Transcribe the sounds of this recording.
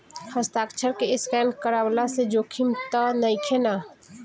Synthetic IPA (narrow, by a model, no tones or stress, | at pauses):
həst̪aːkt͡ʃʰəɾkeɪskɛnkəɾawlased͡ʒoːkʰimt̪ənəjkʰena